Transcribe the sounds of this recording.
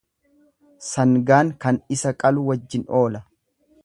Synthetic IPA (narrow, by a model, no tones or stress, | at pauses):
sɐŋɡaːŋkɐnɪsɐkʼɐlʊwɐd͡ʒːɪno̞ːlɐ